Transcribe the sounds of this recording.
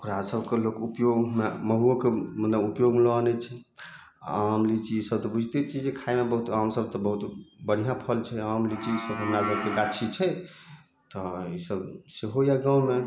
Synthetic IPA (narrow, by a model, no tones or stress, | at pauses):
kuɾasəbkelokupjoɡmeməɦuəkemənləupjoɡmelɔənɛt͡ʃʰɛ | amlit͡ʃʰiisəb̚t̪ɔbud͡ʒʱt̪et͡ʃʰid͡ʒekʰaemebəɦut̪amsəb̚t̪ɔbəɦut̪bəɽ̤ijãpʰəlt͡ʃʰɛamlit͡ʃʰiisəbɦəmɾasəbkeɡat͡ʃʰit͡ʃʰɛ | t̪ɔisəbseɦojaɡawme